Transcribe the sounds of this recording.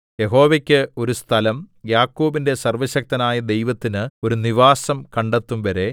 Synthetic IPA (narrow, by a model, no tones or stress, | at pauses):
je̞ɦo̞ːʋekʲːɨo̞ɾust̪ʰɐlɐmjaːkːoːbinde̞sɐrʋɐɕɐk̚t̪ɐnaːjɐd̪e̞jʋɐt̪ːinɨo̞ɾuniʋaːsɐmkɐɳɖet̪ːumʋɐɾe̞